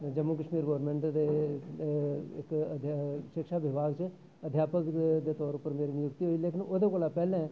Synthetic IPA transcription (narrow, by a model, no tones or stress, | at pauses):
d͡ʒəmːukəʃmiːɾɡɔːɾmɛ̃ɳʈd̪e | ɪ̰kəd̪ʱʃɪkʃaːʋɪbʱaːɡt͡ʃ | əd̪ʱjaːpəkd̪eːt̪ɔːɾʊpːəɾmeːɾinɪjʊkt̪iɦoːileːkɪnoːd̪ekoːlapɛːlɛ̃ː